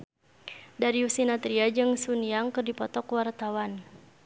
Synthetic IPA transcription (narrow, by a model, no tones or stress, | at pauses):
daɾiusinat̪ɾiad͡ʒɨŋsuniaŋkɨrdipɔt̪ɔkwart̪awan